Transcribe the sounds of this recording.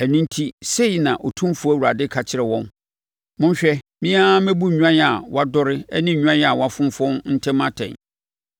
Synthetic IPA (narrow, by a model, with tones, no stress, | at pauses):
æ˨nĩ˦n˦tʰi˦se˦i˨nã˨ʔɔ˨tʰũ˦fu˨æ˦wu˨ɾa˨dɪ˦kʰa˨t͡ɕʰɪ˦ɾɛ˨wɔ̃˦n | mʊ̃˦n˦ɕᶣɛ˦mĩ˦a˦mɛ̃˦bu˦ɲᶣ˨˦ã˦n˦a˨wa˦dɔ˦ɾɪ˦ɛ˦nɪ̃˦˨ɲᶣ˦ã˦n˦a˨wa˦fʊ̃˦m˦fɔ̃˦nn̩˦tʰɛ̃˦mã˦tʰɛ̰̃˨n